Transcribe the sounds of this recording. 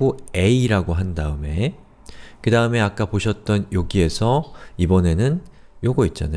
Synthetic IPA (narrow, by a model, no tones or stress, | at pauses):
ue̞iɾaɡoɦandaɯme̞ | kɯdaɯme̞ak͈apoɕʰʌt̚t͈ʌnjoɡie̞sʰʌibʌne̞nɯn | joɡoit̚t͡ɕ͈ana